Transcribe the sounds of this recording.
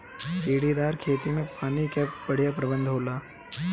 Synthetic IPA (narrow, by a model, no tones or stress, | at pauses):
iɽid̪aɾkʰet̪imẽpaːñikɛpʋəɽ̤ijapɾəbənd̪ʱɦola